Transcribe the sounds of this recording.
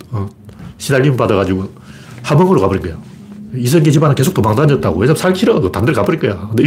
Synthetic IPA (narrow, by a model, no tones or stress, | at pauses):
ʌ | ɕʰidaʎːimpadaɣad͡ʑiɡo | hamʌŋɯɾokabɯɾiɡʌja | isʰʌŋɡet͡ɕibanɯnke̞sʰoktomaŋdaɲʌt̚t͈aɡo̰hesʰamsʰaɭkʰiɾʌɡɯtandɯɭkabɯɾikɯjakɯndei